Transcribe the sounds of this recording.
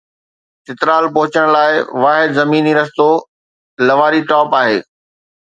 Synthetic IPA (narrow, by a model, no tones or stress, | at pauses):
t̪ɪt̪ɾaːlpɐɦʊt͡ɕəɽ̃laːɪʋaːɦɪd̪zɐmiːniɾɐst̪o | lɐʋaːɾiʈɔːpaːɦeː